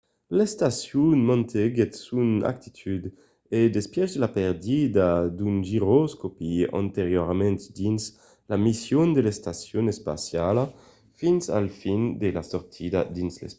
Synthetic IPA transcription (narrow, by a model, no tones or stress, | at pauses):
lest̪asjunmɔ̃nt̪ʰeɡet̪suna̰k̚t̪it̪ʰyd̪ | ed̪espjɛʒlapeɾd̪id̪ad̪unʒiɾoskopiã̰nt̪eɾjoɾmɛ̃nt̪d̪ins | lamisjond̪elest̪asjonespa̰sjala | finsa̰lfind̪elasɔɾt̪ʰid̪a̰d̪inslḛs